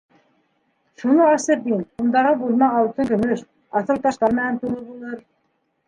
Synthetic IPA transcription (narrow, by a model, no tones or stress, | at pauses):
ʃunɤɑsəɾd̪inund̪ɑʁɤbulˠmɑɑlˠt̪ɤŋkɵ̆mɵʃ | ɑθɤlˠt̪ɑʃt̪ɑɾmænænt̪ulˠɤbulˠɤɾ